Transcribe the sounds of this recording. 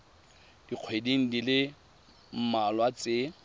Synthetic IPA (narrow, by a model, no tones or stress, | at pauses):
d̥iq͡χʰwediŋ̩dilɪ | m̩malwat͡sʼɪ